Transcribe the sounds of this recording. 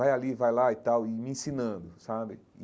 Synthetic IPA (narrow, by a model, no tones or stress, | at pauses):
ajalivajlait̪awɪmɪĩsĩnɐ̃nd̪ʊsabɪ | ɪ